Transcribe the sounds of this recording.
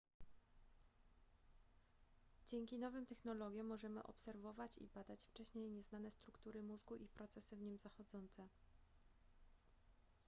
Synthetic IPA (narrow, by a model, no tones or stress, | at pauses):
d͡ʑɛŋkʲinɔvɘmt̪ɛxnɔlɔɡʲjɔ̃mːɔʐɛmɘ̰ʔɔ̰psɛɾvɔvat͡ɕḭbad̪at͡ɕft͡ʂɛɕɲejɲɛznanɛst̪ɾukt̪uɾɘmuzɡuʔipɾɔt̪sɛsɘvɲimzaxɔd̪zɔnt̪sɛ